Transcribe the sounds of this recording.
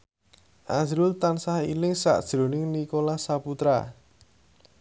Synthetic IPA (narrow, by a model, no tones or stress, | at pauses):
ʔazɾʊlt̪ansahilɪŋsa̰ʔd̥ʒ̥ɾo̤nɪŋnikolasaput̪ɾa̰